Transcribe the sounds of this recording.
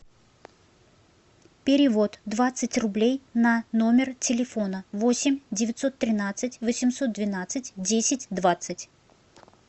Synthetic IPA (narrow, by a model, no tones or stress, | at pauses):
pʲɪɾʲɪvo̞t̪d̪vat̪sɨtʲrʊblʲejnɐno̞mʲɪrtʲɪlʲɪfo̞nəvo̞sʲɪmʲdʲɪvʲɪt̪ʲso̞t̪ːɾʲɪnat̪sɨtʲvəsʲɪmso̞t̪̚d̪vʲɪnat̪sɨtʲdʲesʲɪtʲd̪vat̪sɨtʲ